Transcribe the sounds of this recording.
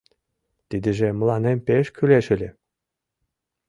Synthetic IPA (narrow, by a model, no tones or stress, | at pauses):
t̪ʲid̪ʲɘ̆ʒĕmɤ̆lˠɑnemʲpeʃkʲʰylʲeʃɘ̆lʲɘ̆